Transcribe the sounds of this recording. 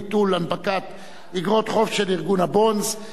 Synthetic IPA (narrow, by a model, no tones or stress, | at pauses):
t̪ulanpakat̪ | iɡʁot̪χofʃeliʁɡunabonz